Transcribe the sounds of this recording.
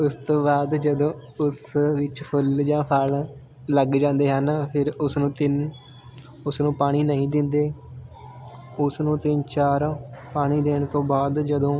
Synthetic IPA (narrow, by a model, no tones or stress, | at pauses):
ʊst̪õːbaːd̪d͡ʒəd̪õːʊsʋɪt͡ʃpʰʊld͡ʒãːpʰal | ləɡd͡ʒãːnd̪eːɦənpʰɪɾʊsnũːt̪ɪn | ʊsnũːpaːɽ̃iːnəĩːd̪ɪnd̪eː | ʊsnũːt̪ɪnt͡ʃaːɾpaːɽ̃iːd̪eːɳ̃t̪õːbaːd̪d͡ʒəd̪õː